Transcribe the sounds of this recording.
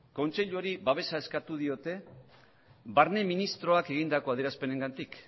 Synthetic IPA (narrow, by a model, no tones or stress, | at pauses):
ko̞nt͡ʃe̞ʎuoɾiβaβ̞e̞sae̞skat̪uðio̞t̪e̞ | βaɾne̞minist̪ɾo̞ake̞ɣ̞ind̪ako̞aðeɾaspe̞ne̞ŋɡant̪ik